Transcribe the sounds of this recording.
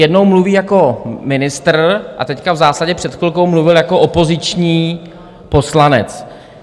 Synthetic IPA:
jɛdnowmluviːjako̞mɪnɪst̪r̩ʔa̰t̪ɛckavzaːsaɟɛpr̝̥ɛt̪kɪlkowmluvɪljako̞ʔopo̞zɪt͡ʃɲiː | po̞slanɛ̰t͡s

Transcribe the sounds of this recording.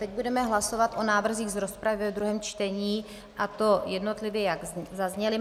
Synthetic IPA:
t̪ɛɟ̚budɛmɛɦlaso̞vat̪ʔo̞naːvr̩ziːɣzɾo̞spɾavɪd̪ɾuɦɛːmt͡ʃt̪ɛɲiː | ʔat̪o̞jɛdno̞t̪lɪvjɛjaɡzazɲɛlɪ

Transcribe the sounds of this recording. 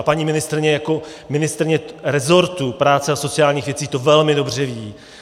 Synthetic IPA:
paɲiːmɪnɪst̪ɾɪɲɛjako̞ | mɪnɪst̪ɾɪɲɛɾɛzo̞ɾt̪upɾaːt͡sɛaso̞t͡sɪjaːlɲiːxvjɛt͡siːt̪o̞vɛlmɪdo̞br̝ɛviː

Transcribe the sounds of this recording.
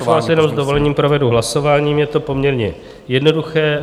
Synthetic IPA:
asjɛnomzd̪o̞vo̞lɛɲiːmpɾo̞vɛduɦlaso̞vaːɲiːmjɛt̪o̞po̞mɲɛɾɲɛ̰ | jɛdno̞duxɛː

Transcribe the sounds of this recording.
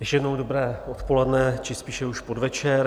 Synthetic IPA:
jɛkʃjɛdnowdobɾɛːʔot̪po̞lɛdnɛt͡ʃɪspiːʃɛuʃpodvɛt͡ʃɛɾ

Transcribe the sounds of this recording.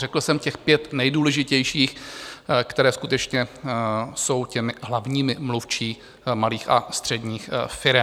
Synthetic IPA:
rɛkl̩sɛmcɛxpjɛt̪nɛjduːlɛʒɪcɛjʃiːx | kt̪ɛɾɛːskut̪ɛt͡ʃɲɛ | so̞wcɛmɪɦlavɲiːmɪmluft͡ʃiː | maliːxast̪r̝̥ɛdɲiːxfɪɾɛm

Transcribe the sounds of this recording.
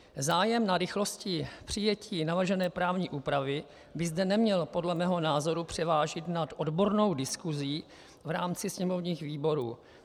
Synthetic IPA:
zaːjɛmnaɾɪxlo̞scɪpr̝̥ɪjɛcʰiːnavr̩ʒɛnɛːpɾaːvɲiːʔuːpɾavɪ | bɪzdɛnɛmɲɛlpo̞dlɛmɛːɦo̞naːzo̞ɾupr̝̥ɛvaːʒɪt̪nat̪ʔo̞dbo̞ɾno̞wdɪskuziː | vɾaːmt͡sɪsɲɛmo̞vɲiːxviːbo̞ɾṵː

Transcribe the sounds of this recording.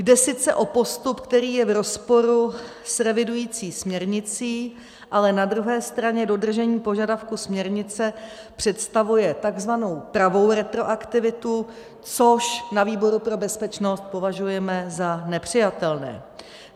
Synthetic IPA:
ɡdɛsɪt͡sɛ̰ʔo̞po̞st̪upkt̪ɛɾiːjɛvɾo̞spo̞ɾu | sɾɛvɪdujiːt͡siːsmɲɛɾɲɪt͡siː | ʔalɛnad̪ɾuɦɛːst̪ɾaɲɛdo̞dr̩ʒɛɲiːpoʒadafkusmɲɛɾɲɪt͡sɛ | pr̝̥ɛt̪st̪avujɛt̪aɡzvano̞wpɾavo̞wɾɛt̪ɾo̞ʔakt̪ɪvɪt̪u | t͡so̞ʃnaviːbo̞ɾupɾo̞bɛspɛt͡ʃno̞st̪̚po̞vaʒujɛmɛzanɛpr̝̥ɪjat̪ɛlnɛ̰ː

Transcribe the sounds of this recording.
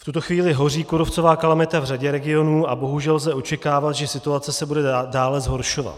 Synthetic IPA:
ft̪ut̪o̞xviːlɪɦo̞riːkuɾoft͡so̞vaːkalamɪt̪avraɟɛɾɛɡɪo̞nuːabo̞ɦuʒɛlzɛʔo̞t͡ʃɛkaːvat̪ʒɛsɪt̪uat͡sɛsɛbudɛdaːlɛzɦo̞ɾʃo̞va̰t̪

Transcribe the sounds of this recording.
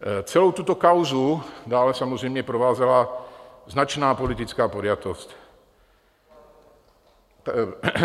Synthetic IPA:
t͡sɛlowt̪ut̪ɔkawzud̪aːlɛsamozɾɛjmɲɛpɾoʋaːzalaznat͡ʃnaːpolit̪it͡skaːpoɾjat̪ost

